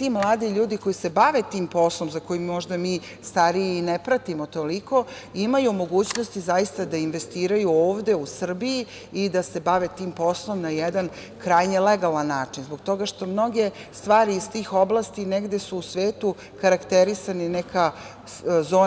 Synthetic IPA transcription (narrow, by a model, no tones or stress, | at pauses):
t̪imlˠaːd̪iʎuːd̪iko̞jise̞baʋe̞t̪iːmpo̞slˠo̞mzako̞jimmo̞ʒd̪amiː | st̪aɾijeinepɾat̪imo̞t̪o̞liko̞ | imajumo̞ɡuːt͡ɕno̞st̪izajist̪ad̪ainʋe̞st̪iːɾajuoːʋd̪e̞usr̩biji | id̪ase̞baʋe̞t̪iːmpo̞slˠo̞mnajɛd̪an | kɾaːjɲeleɡalˠanːaːt͡ʃinzboɡ̚t̪o̞ɡaʃt̪o̞mno̞ɡe̞st̪ʋaːɾiːst̪iːxo̞blˠaːst̪ineɡd̪e̞suːsʋeːt̪u | kaɾakt̪eɾisanineka | zo̞ː